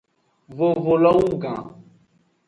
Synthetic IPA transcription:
vo˨vo˨lɔ˦wũ˦˨ɡã̰˨

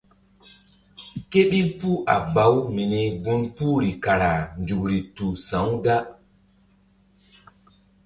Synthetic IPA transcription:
ke˦ɓi˦pu˦ʔa̰˨ba˨˦wmi˨ne˨ɡu˦npu˦ɾi˨ka˨ɾa˨nd͡ʒu˨kɾi˨tu˨sã˨˦wɡa˦

